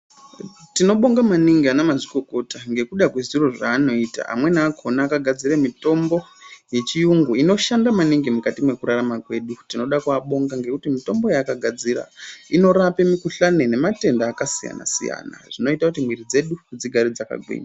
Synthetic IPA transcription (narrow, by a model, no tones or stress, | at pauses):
tino̞ɓo̞ŋɡamaniŋɡianamaʐiko̞ko̞taŋɡe̞kuɗakwe̞ʐiro̞ʐaːno̞iːta̰ʔa̰mwe̞naːkʰo̞naːkaɡʱad͡ziremito̞mbo̞je̞t͡ʃijuŋɡuino̞ʃandamaniŋɡimukatimwe̞kuɾaramakwe̞ːɗutino̞ɗakuaɓo̞ŋɡaŋɡe̞kutimito̞mbo̞jakaɡʱad͡zira̰ino̞ɾape̞mikuɬanene̞mate̞ndaːkasija̰na̰sḭja̰na̰ʐ̥ino̞itakutimwiɾid͡ze̞ɗud͡ziɡʱaɾid͡zaka̰ɡʱwḭːɲa